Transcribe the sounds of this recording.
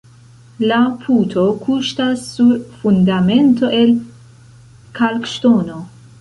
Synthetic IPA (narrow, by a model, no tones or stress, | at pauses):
lapʰut̪ʰo̞kʰuʃtasːuɾfund̪ame̞nt̪o̞ʔe̞l | kʰalkʃtono